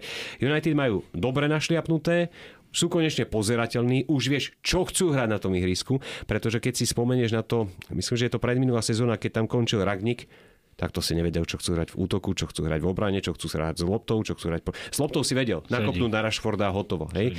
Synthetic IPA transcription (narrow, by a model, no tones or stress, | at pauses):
junajt̪id̪majuːd̪ɔbɾɛnaʃlɪapnut̪ɛː | suːkɔɲɛt͡ʃɲɛpɔzɛɾacɛʎniːʔuʒʋɪɛʃt͡ʃɔxt͡suːɦɾaɟnat̪ɔmiɦɾiːskupɾɛt̪ɔʒɛkɛcsispɔmɛɲɛʒnat̪ɔmislimʒɛjɛt̪ɔpɾɛd̪minulaːsɛzɔːnakɛc̚t̪amkɔnt͡ʃilɾaɡɲik | t̪ak̚t̪ɔsiɲɛʋɛɟɛlt͡ʃɔxt͡suːɦɾaɟvṵːt̪ɔkut͡ʃɔxt͡suːɦɾa̰ɟvɔbɾaɲɛt͡ʃɔxt͡suːsɦɾa̰ɟzlˠɔp̚t̪ɔʊt͡ʃɔxt͡suːɦɾac̚pɔz̥lˠɔp̚t̪ɔʊsiʋɛɟɛlnakɔpnuːd̪naɾaʃfɔɾd̪aːɦɔt̪ɔʋɔ̰ɦɛj